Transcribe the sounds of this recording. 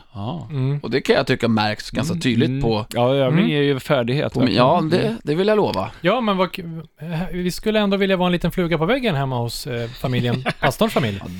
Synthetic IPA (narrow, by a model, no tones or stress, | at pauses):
ɑɔd̪ɛkʰanjat̪ʰʏkːamæ̰ɾksɡanskat̪ʰyːd̪lɪɡt̪pʰɔjɑːøːvɪŋjeɾjɵfæːɖɪɡhḛːt̪jɑːd̪ɛd̪ɛvɪljaloːva̰jɑːmɛnva | hvɪskɵlːəɛnd̪oːvɪljavɑːɛnliːt̪ənflʉːɡapɔvɛɡːənɦɛmːahʊsfamɪljənast̪ɔnfamɪlj̰